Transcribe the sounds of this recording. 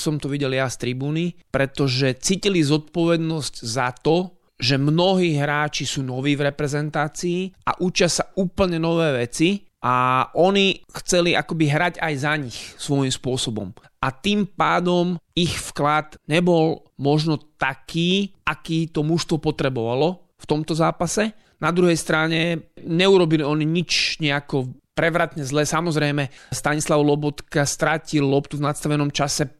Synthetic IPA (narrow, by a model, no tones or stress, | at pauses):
sɔmt̪ɔʋiɟɛljast̪ɾibuːnipɾɛt̪ɔʒɛt͡siːcilizɔt̪̚pɔʋɛd̪nɔsczat̪ɔ | ʒɛmnɔɦiːɦɾaːt͡ʃisuːnɔʋiːvɾɛpɾɛzɛnt̪aːt͡siːa̰ʔut͡ʃɪasauːpl̩ɲɛnɔʋɛːʋɛt͡siʔaʔɔnixt͡sɛliʔakɔbiɦɾaɟajzaɲixsʋɔjimspʊɔsɔbɔ̰m | ʔat̪iːmpaːd̪ɔmixfklad̪ɲɛbɔl | mɔʒnɔt̪akiːʔakiːt̪ɔmuʃst̪ʋɔpɔt̪ɾɛbɔʋalɔ | ft̪ɔmt̪ɔzaːpasɛ | nad̪ɾuɦɛjst̪ɾaɲɛɲɛuɾɔbiliɔniɲit͡ʃɲɛakɔpɾɛʋɾat̪ɲɛzlɛːsamɔzɾɛɪmɛst̪aɲislaʋlɔbɔt̪kast̪ɾacilːɔpt̪uvnat̪st̪aʋɛnɔmt͡ʃasɛ